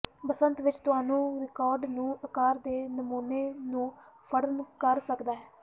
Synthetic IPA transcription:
bəsənt̪ʋɪt͡ʃt̪ʊɦaːnũːɾɪkaːɾɖnũːəkaːɾd̪eːnəmuːneːnũː | pʰəɽənkəɾsəkd̪aːɦɛː

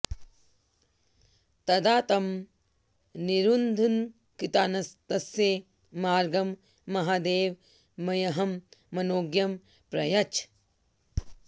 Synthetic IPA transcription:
t̪ɐd̪aːt̪ɐm | niɾund̪ʱun | kit̪aːnɐst̪ɐsje | maːɾɡɐmː | ɐɦaːd̪eːʋ | mɐjɐɦɐmːɐnoːɡjɐm | pɾɐ̰jɐt͡ʃ

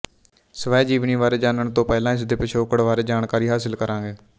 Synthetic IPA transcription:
səʋɛːd͡ʒiːʋniːʋaːɾeːd͡ʒaːnəɳt̪õːpɛːlãːɪs̬d̪eːpɪt͡ʃʰoːkəɽʋaːɾeːd͡ʒaːɳkaːɾiːɦaːsɪlkəɾãːɡeː

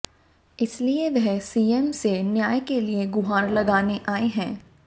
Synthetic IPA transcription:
ɪslieʋɛɦsiːemsenjaːjkelieɡʊɦaːɾlɐɡaːneʔaːeɦɛ̃ː

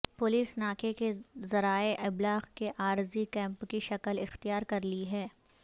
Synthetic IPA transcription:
pʊliːsnaːkekezɐɾaːeʔɪblaːɣkeʔaːɾzikɛ̃ːmpkiʃɐkəlɪxt̪ijaːɾkɐɾliɦɛː

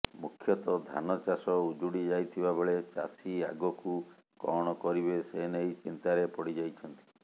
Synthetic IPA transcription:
mukʰjɔt̪ɔd̪ʱa̰nɔt͡ʃasɔud͡ʒuɽid͡ʒajt̪ʰibabeɭet͡ʃa̰sia̰ɡɔku | kɔɽ̃ɔkɔɾibesenejt͡ʃint̪aɾepɔɽid͡ʒajt͡ʃʰɔnt̪i̥

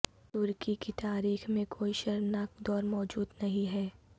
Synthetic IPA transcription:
t̪ʊɾkikit̪aːɾiːxmẽkʰoːiʃɐɾnaːkd̪ɔːɾmɔːd͡ʒuːd̪nɐɦĩɦɛː

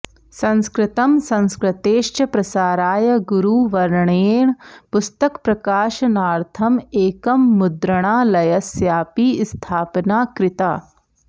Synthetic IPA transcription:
sɐ̃nskɾɪt̪ɐmsɐ̃nskɾɐt̪eːʃt͡ʃɐpɾɐsaːɾaːjɐɡuɾuːʋɐɾɳeːɳ̃pʊst̪ɐkpɾɐkaːʃɐnaːɾt̪ʰɐmeːkɐmːʊd̪ɾɐɽ̃aːlɐjɐsjaːpiːst̪ʰaːpnaːkɾɪt̪aː

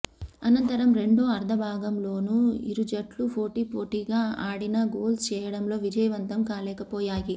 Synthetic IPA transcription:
ɐnɐnt̪ɐɾɐmɾe̞ɳɖoːɐɾd̪ʱɐbʱaːɡɐmlo̞ːnuḭɾud͡ʒɐʈlupʰo̞ːʈiːpoːʈiːɡaːaːɽinɐɡoːlt͡ʃɛːjɐɽɐmlo̞ːʋid͡ʒɐjɐʋɐnt̪ɐmkaːlɛːkɐpɔːjaːji

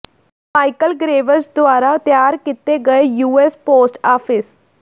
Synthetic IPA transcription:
aːikəlɡɾeːʋəɾsd̪ʊaːɾaːt̪jaːɾkit̪eːɡəejuːɛːspoːsʈaːpʰɪs

